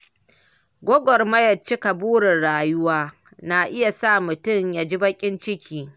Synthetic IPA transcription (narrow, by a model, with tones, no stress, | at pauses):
ɡʷɔ˦ɡʷɔ˨rmɐ˦jɐ˨t͡ʃɪ˦ka˨buː˦ɽɪ˨nɽaː˨jʊ˦waː˦ | na˨ʔɪ˦ja˨sa˦˨mʊ˨tʊ˦ɲjaː˨d͡ʒi˦bɐ˦kʲʼɪ˦nt͡ʃɪ˦kʲʰiː˨